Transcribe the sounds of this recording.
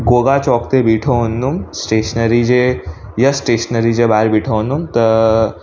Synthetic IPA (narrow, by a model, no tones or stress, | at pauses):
ɡoːɡat͡ʃɔːkt̪ebiːʈʰond̪umsʈeːʃənəɾid͡ʒe | jɐsʈeːʃənəɾid͡ʒebaɾbiːʈʰond̪umt̪ɐ